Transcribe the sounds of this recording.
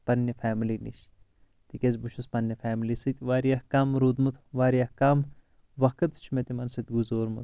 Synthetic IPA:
pɐnːefʰaːmilinḭʃ | t̪ikʲezʲbuʃuspɐnːefaːmilisɨt̪ʲʋaːɾijɐhkaːmɾud̪mut̪ʰʋaːɾiɐhkaːm | ʋɐkɐt̪t͡ʃʰumet̪imɐnsɨt̪ʲɡuzoːɾmut̪ʰ

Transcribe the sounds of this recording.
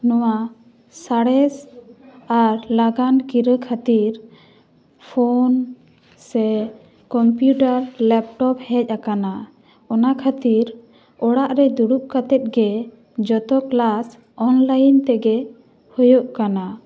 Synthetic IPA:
nɔwa | saɽɛs | aɾlaɡankiɾəkʰat̪iɾ | pʰon | sɛ | kɔmpjuʈaɾlɛp̚ʈɔp̚hɛc̚ˀakana | ɔnakʰat̪iɾ | ɔɽaʔɾɛd̪uɽuʔ̚kat̪ɛt̪̚ɡɛ | d͡ʒɔt̪ɔklas | ɔnlajnt̪ɛɡɛ | hɔjoʔkana

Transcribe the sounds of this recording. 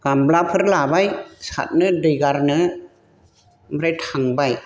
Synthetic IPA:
kamblapʰɯɾlaːbajsa̰t̪̚nɯdɯɡaɾnɯ | mɾajt̪ʰaŋbaj

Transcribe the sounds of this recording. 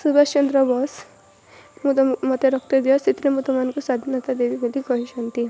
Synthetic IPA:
subast͡ʃɔnd̪ɾɔbɔs | mumʌt̪eɾɔk̚t̪ɔd̪ijɔsit̪iɾemut̪ɔmankusad̪ʱinɔt̪ad̪ebiɡolikɔɦiʃɔnt̪i

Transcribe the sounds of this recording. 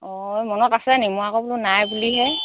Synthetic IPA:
ɔjmɔnɔtasɛnimuakɔbulʊnajbuliɦɛ

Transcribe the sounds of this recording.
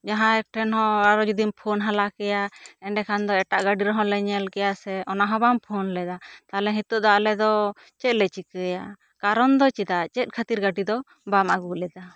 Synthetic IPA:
d͡ʒaɦãɛk̚ʈʰɛnɦɔ̃aɾɔd͡ʒud̪impʰonɦalakɛjaɛɳɖɛkʰand̪ɔɛʈaʔɡaɖiɾɔɦɔ̃lɛɲɛlkɛjasɛʔɔnaɦɔ̃bampʰonlɛd̪at̪alɛɦĩt̪uʔd̪aʔlɛd̪ɔ | t͡ʃɛt̪̚lɛt͡ʃikəja | kaɾɔnd̪ɔt͡ʃɛd̪at͡ʃɛt̪̚ˀkʰat̪iɾɡaɖid̪ɔ | bamaɡuʔlɛd̪a

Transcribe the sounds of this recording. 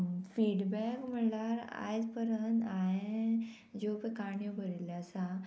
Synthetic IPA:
fiɽbɛkm̤əɳlaɾa̰jt̪pəɾənt̪aɦe | d͡ʑopekaɳjobʱəɾiləsa

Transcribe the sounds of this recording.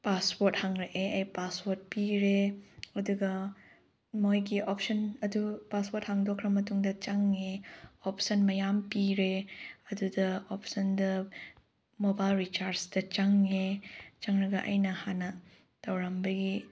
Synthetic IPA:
paspoɾt̚haŋɾeʔeɐjpaspoɾt̚piɾeɐduɡɐ | mojɡiop̚ʰsɐnɐdupaspoɾt̚haŋdokʰːɾɐmɐtuŋdɐt͡ʃaŋeopsɐnmɐjampiɾeɐdudɐopʰsɐndɐ | mobajlɾit͡ʃaɾsdɐt͡ʃaŋet͡ʃaŋɾɐɡɐʔa̰jnɐhanɐ | tɐwɾambɐɡi

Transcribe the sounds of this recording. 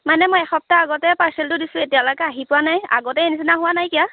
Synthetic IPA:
manɛmojɛxɔp̚taːɡɔtɛpaɹsɛltʊdisʊ̃etijalɔjkɛaɦipʊwanaja̰ɡɔtɛenisinaɦʊwanajkija

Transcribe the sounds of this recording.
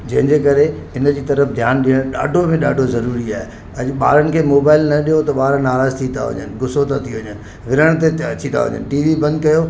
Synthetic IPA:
d͡ʑɐ̃ɦɪ̃ɲd͡ʑeːkɐɾe | ɪnəd͡ʑiːt̪ɐɾəfd̪ʱjaːnɗiəɽ̃ɗa̰ːɖʱomẽɗaːɖʱozɐɾuːɾiaːɦe | ɐʄɓa̰ːɾənɪ̆kʰeːmoːbaːɪlnɐɗijot̪ɐɓaːɾnaːɾaːzt̪ʰit̪ʰa̰ʋɐ̰ɲə̰nɪ̆ɡʊsot̪at̪ʰiʋɐɲənɪ̆ | ʋɪɾəɽ̃t̪̬eɐt͡ɕʰit̪ʰa̰ʋɐ̰ɲə̰nʈiːʋibɐ̃nd̪kɐjo

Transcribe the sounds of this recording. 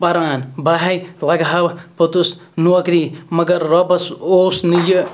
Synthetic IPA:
pɐɾaːnbaɦɐjlɐɡɦabpɐt̪us | nuɐkɾimɐɡɐɾːɐbɐsosnijɐ

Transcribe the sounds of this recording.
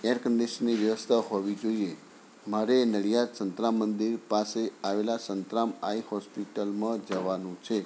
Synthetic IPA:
eɾkənd̪eʃniʋjəʋəst̪ʰaɦoʋid͡ʒoie | maɾenəɭijad̪sənt̪ɾamːənd̪iɾpaseaʋelasənt̪ɾamaihɔspiʈəlmãd͡ʒəʋanũt͡ʃʰe

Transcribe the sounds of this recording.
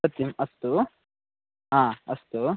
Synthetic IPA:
ɐt̪jɐmɐst̪u | ɦãːɐst̪u

